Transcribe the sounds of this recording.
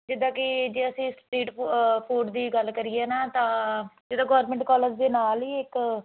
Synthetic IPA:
d͡ʒɪd̪ãːkɪd͡ʒeːəsĩːspɾiːʈpʰoːɖd̪iːɡəlkəɾieɛːnaːt̪ãːd͡ʒɪd̪aːɡɔːɾmẽɳʈkɔːləɾd͡ʒd̪eːnaːliːɪk

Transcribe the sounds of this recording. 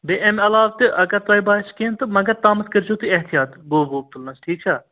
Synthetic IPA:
beːʔemɐlaːʋt̪ɨʔɐɡɐɾt̪ʋaːibaːɪskẽːnt̪ɨmɐɡɐɾt̪aːmɐskəɾd͡ʒoːt̪iɐɦt̪ijaːt̪boːboːb̚t̪ulnɐsʈʰiːk̚t͡ʃʰaː

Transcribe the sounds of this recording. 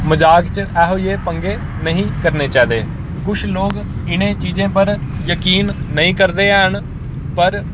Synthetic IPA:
məd͡ʒaːkt͡ʃɛːɦoːeːpəŋɡeː | nəɦĩːkəɾneːt͡ʃɛːd̪eː | kʊʃʰloːɡ | ɪnẽːt͡ʃiːd͡ʒẽːp̬əɾjəkiːnːəɦĩːkəɾd̪eːɦəɳ | pəɾ

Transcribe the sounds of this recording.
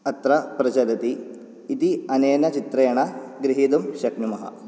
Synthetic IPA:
ɐt̪ɾɐpɾɐd͡ʒɐlɐt̪iː | t̪iɐneːnɐt͡ʃit̪ɾɐjɐɳɐɡɾiɦid̪umʃɐknumɐɦɐ̰

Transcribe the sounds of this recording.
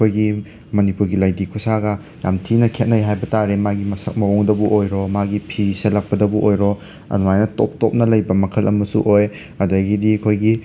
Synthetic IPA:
kʰojɡi | mɐnipuɾɡilajdikʰusaɡɐ | ja̰mtʰinɐkʰet̚nɐjɦajbɐtaɾemaɡimɐsɐk̚mɐɔŋdɐbuʔojɾomaɡipʰizisɐlɐk̚pɐdɐbuʔojɾo | ɐ̰nuwajnɐto̰p̚tɔp̚nɐlɐjbɐmɐkʰɐlɐmɐsṵʔoj | ɐdɐɡidikʰojɡi

